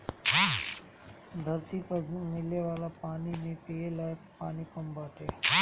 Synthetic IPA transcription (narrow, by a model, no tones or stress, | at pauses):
d̪ʱəɾt̪ipəzmɪleʋaːlapaːnimẽpielaːe | paːnikəmbaːʈḛː